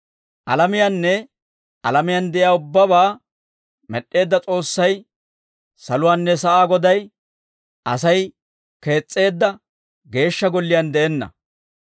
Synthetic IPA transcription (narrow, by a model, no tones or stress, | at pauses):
ʔɐ̰lɐmɪjanːɛ | ʔɐlɐmɪjand̪ɛʔɪjaːʊbːɐbaː | mɛɗːe̞ːd̪ːɐt͡sʼo̞ːsːɐj | sɐlʊwaːnːɛsɐʔaːɡɔd̪ɐj | ʔɐsɐj | ke̞ːt͡sʼːe̞ːd̪ːɐ | ɡe̞ːʃːɐɡɔlːɪjɐnd̪ɛʔɛnːɐ̰